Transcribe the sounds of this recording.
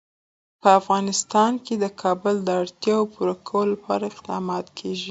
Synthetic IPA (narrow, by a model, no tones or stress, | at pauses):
pəafɣɑnɪst̪ɑnked̪əkʰɑbʊld̪əaɽt̪jɑopuɾakʰawllapʰɑɾaɪqd̪ɑmɑt̪kʰeʒi